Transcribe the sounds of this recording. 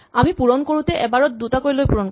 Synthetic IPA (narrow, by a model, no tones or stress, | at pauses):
amipuɹɔnkoɹut̪ɛʔɛbaɹɔt̚dutakojlojpuɹɔn